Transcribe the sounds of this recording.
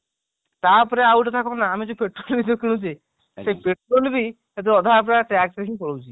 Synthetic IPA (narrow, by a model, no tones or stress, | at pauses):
t̪aɾpɔɾeawʈt̪ʰakɔnaːmid͡ʒopeʈɾolbid̪okʰil̃ũt͡ʃe | sepeʈɾolbi | et̪̬uɔd̪ʱapɾaʈɛksɾekĩpɔlowt͡ʃʰi